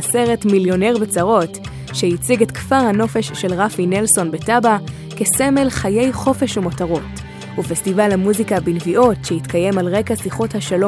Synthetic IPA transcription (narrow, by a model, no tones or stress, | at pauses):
se̞ʁe̞tmiljo̞neʁbet͡saʁo̞t | ʃehit͡siɡetkv̥aʁhano̞fe̞ʃːe̞lʁafinelso̞nbetaba | keseme̞lχaje̞jχo̞fe̞ʃumotaʁo̞t | ufestivalhamuzikabinviʔo̞tʃeitkaje̞malʁe̞kasiχo̞thaʃalo